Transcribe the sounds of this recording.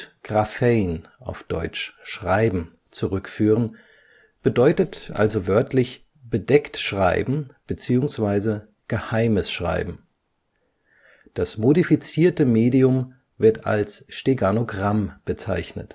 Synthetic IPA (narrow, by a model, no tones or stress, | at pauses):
ɡ̥ʁafɛɪnʔa̰ʊfd̥ɔ̰ʏt͡ʃʃʁ̥aɪbm̩ | t͡suʁʏkfyːʁən | b̥ədɔʏtətʔa̰lzovœɐtʰlɪç | b̥ədɛktʃʁ̥aɪbm̩b̥ət͡siːʊŋsv̥aɪzə | ɡ̥əhaɪməsʃʁ̥a̰ɪbm̩ | d̥asmodifit͡siːɐtəmeːdiʊm | vɪɐta̰lsʃteɡanoɡʁamb̥ət͡sa̰ɪçnə̰t